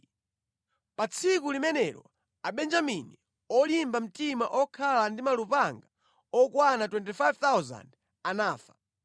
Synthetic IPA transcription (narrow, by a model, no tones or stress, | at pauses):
pat͡sʰikulimɛnɛɾɔ̰ | aɓɛnd͡ʒamini | ɔlimbam̩timaʔɔkʰalandimalupaŋɡa | ɔkwanatwɛntifajvt̪awza̰nd | anaːfḁ